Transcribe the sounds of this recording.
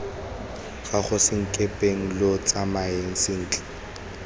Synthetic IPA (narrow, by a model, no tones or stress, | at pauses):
χaχʊsɪŋ̩kʼepʼeŋ̩lot͡sʼamaeŋ̩sɪn̩ːt͡ɬɪ̥